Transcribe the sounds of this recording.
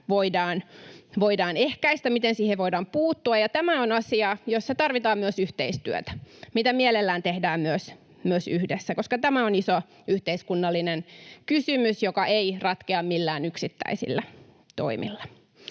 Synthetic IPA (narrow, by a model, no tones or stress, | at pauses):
ʋoidɑːnʋoidɑːnehkæist̪æmit̪ensiːheʋʋoidɑːmpuːt̪ːuɑjɑt̪æmæonɑsiɑjosːɑt̪ɑrʋit̪ɑːmmyøsyht̪eist̪yø̰t̪æ̥mit̪æmielelːæːnt̪ehdæːmmyøs | myøsyhdesːækoskɑt̪æmæoniso | yht̪eiskunːɑlːinenkysymysjokɑʔeirɑt̪keɑmmilːæːnyksit̪ːæ̰isḭlːæ | t̪o̰imʔḭlːɑ̥